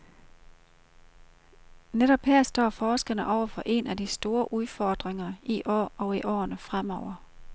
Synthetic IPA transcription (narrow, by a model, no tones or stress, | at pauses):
neɾ̥ɒ̽b̥heɐ̰sd̥ɒ̰ːfɒːsɡ̥ɐnəʔɒʊ̰ɐfɒ̽ʔe̝nædisd̥o̝ːɐʔuð̞ˠfɒːd̥ʁeŋɐiʔɒɒ̽iʔɒ̰ːnəfʁamɒʊ̰ɐ